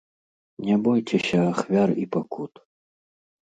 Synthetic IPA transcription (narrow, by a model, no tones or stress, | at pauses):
nʲɛbɔjt͡sʲɛsʲɐːxvʲaripakut̪